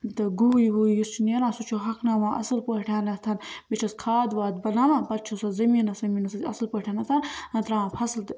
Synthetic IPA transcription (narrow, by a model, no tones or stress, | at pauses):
t̪ɐɡuiwujist͡ʃʰineːɾãːsut͡ʃʰoɦɐknaːmãːʔɐ̰sɨlpoʈʰaːnɐt̪ʰɐnbit͡ʃʰɐskʰaːd̪waːd̪bɐnaːmãːbɐt̪̚t͡ʃʰosɐzɐminɐsɐminɐsɐɐslpoʈʰaːnɐt̪ʰɐnɐnt̪ɾãːapʰɐslt̪